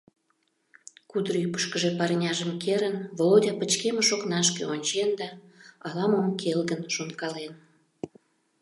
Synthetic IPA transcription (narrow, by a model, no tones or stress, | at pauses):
kud̪ɾəypə̥ʃkəʒepɑrnʲɑʒəmkeɾənvolodʲɑpət͡ɕkemeʃoknɑʃ̬kḛonʲt͡ɕend̪ɑɑlɑməmkʰelɣənʃonkɑlen